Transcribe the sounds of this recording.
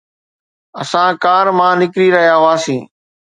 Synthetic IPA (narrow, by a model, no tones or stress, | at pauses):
əsãːkaːɾmãːnɪkɾiɾɐɦijaːɦʊãːsĩː